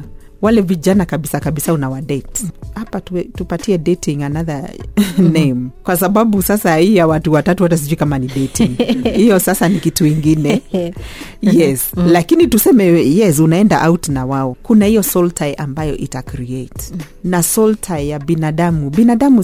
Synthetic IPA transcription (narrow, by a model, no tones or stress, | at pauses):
walɛviʄanakaɓisakaɓisaunawaɗɛthapatutupatiɛdɛtʰiŋanaða | nejmkwasaɓaɓusasaijawatuwatatuhatas̬iʄuikamanidɛtiŋhijɔsasanikituwiŋɡinɛ | jɛslakinitusɛmɛjɛs̬unaɛndaʔautnawaɔkunahijɔsɔltʰaiʔambajɔʔitakɾiet | nasɔltʰajjabinaɗamubinaɗamu